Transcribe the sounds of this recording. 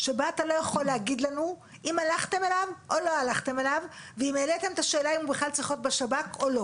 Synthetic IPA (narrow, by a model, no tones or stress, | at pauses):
ʃe̞baat̪alo̞jaχo̞lːeaɡid̪lanu | ʔimalaχt̪e̞melavʔo̞lo̞alaχt̪e̞melavveimeːlet̪emt̪aʃe̞ːlaimubeχlalt͡sʁiχo̞t̪̚beʃabako̞lo̞